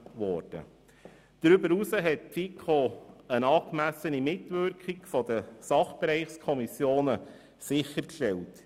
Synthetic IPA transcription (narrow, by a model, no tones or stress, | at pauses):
ʋɔrd̥ə̰ | d̥ɾʏbəɾusəɦɛt̚fikʰoənɑːkmæsənimɪtʋʏrkχikfɔd̥̪əsɑχb̥eɾɛɪχskʰɔmisjoːnə | sɪχəɾkʃtɛlt